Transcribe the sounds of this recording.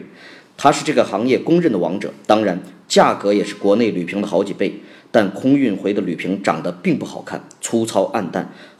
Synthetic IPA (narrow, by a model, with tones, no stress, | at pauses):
t̪ʰa˥ʂɻ̩˥˧ʈ͡ʂɤ˥˩ɡə˩xɑ˧˥ŋjɛ˥˩kʊ˥ŋɻə˥˩nd̪ə˩wɑ̰˧˥ŋʈ͡ʂɤ̰˨˩˦t̪ɑ˥ŋɻa˧˥nt͡ɕja˥˩kɤ˧˥jɛ˨˩ʂɻ̩˥˩kwɔ˧˥ne˥˩ɪly˨˩pʰi˧˥ŋd̪ə˧xɑ˧˥ʊt͡ɕi˨˩pe˥˩ɪt̪a˥˩nkʰʊ˥ŋy˥˩nxwe˧˥ɪd̪ə˧ly˨˩pʰi˧˥ŋʈ͡ʂɑ̰˨˩ŋd̪ə˦pi˥˧ŋpu˥˩xɑ̰˨˩ʊkʰa̰˥˩nt͡sʰu˥t͡sʰɑ˥ʊʔa˥˧nt̪a̰˥˩n